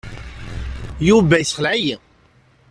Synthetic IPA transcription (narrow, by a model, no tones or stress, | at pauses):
juvæjθχəlʕji